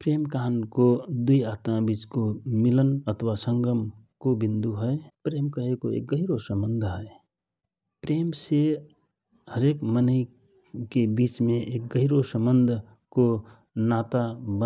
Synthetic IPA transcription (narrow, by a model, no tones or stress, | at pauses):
pɾeːmkaɦənkod̪uiaːt̪mãbiːt͡ʃkomɪlənət̪ʰwasə̃ŋɡəm | kobĩnd̪uɦəepɾeːmkəɦekoḛːk̚ɡəɦɪɾosə̃mbənd̪ʱɦəe | pɾeːmse | həɾeːkmənəɪ | kebiːt͡ʃmẽʔeːk̚ɡəɦɪɾosə̃mbənd̪ʱ | ko | naːt̪abə